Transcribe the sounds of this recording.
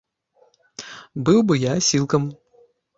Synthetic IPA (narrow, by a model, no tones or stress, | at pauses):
bɨwbɨjasʲilˠkɐm